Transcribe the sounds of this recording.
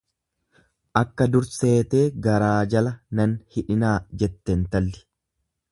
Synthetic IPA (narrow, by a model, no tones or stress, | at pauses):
ʔɐkːɐd̪ʊɾse̞ːt̪e̞ːɡɐɾaːd͡ʒɐlɐnɐnhɪᶑɪnaːd͡ʒɛt̪ːɛnt̪ɐlːɪ̥